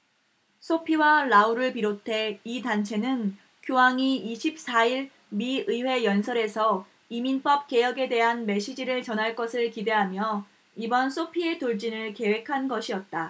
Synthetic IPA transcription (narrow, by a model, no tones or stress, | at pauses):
sʰopʰiwaɾauɾɯɭpiɾotʰe̞itant͡ɕʰe̞nɯn | kjoɦaŋiːɕʰip̚s͈aiɭ | miɯwe̞jʌnsʰʌɾe̞sʰʌ | iminp͈ʌp̚k͈e̞jʌɡe̞de̞ɦanme̞ɕ͈ʰid͡ʑiɾɯɭt͡ɕʌnɦaɭk͈ʌsʰɯɭkide̞ɦamjʌ | ibʌnsʰopʰietoɭt͡ɕinɯɭke̞we̞kʰanɡʌɕʰiʌt̚t͈a